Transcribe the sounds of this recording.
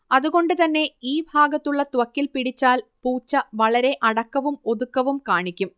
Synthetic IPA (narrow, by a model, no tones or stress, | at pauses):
ɐðuɣo̞ɳɖɨt̪ɐnːe̞iːbʱaːɡɐt̪ːuɭːɐt̪wɐkːilpiɽit͡ɕːaːlpuːt͡ɕːɐʋɐɭɐɾe̞ʔɐɽɐkːɐʋumo̞ðukːɐʋumkaːɳikʲːum